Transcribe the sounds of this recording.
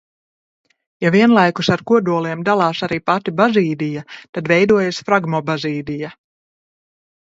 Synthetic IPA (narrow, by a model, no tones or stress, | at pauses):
javiɛnlˠajkusaɾkuɔd̪uɔlˠiɛmd̪alˠɑːsaɾiːpat̪ibaziːd̪ijat̪ad̪vɛjd̪uɔjasfɾaɡmɔbaziːd̪ija